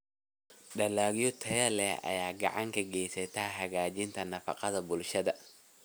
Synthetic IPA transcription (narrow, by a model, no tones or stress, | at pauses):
ɖɐlaːɣjɔt̪ʰɐjɐlɛɐ̰jaːɡɑ̰ʕɑŋkʰɐɡɛjsɐt̪ʰaɦɐɣaːt͡ʃɪnt̪ʰɐnɐfɑ̰qɑðɐbʊlʃɐðɐ